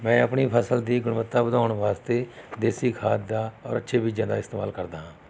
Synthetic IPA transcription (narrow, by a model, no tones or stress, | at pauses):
mɛ̃ːəpɳiːpʰəsəld̪iːɡʊɳʋət̪ːaːbəd̪aːɳʋaːst̪eːd̪eːsiːkʰaːt̪d̪aːɔ̰ːɾə̰tːʃʰeːbid͡ʒãːd̪aːɪst̪ːma̰ːlkəɾd̪aːɦãː